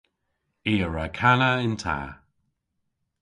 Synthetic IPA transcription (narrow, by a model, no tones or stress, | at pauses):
iːəɹakʰanaɪntʰa̰ː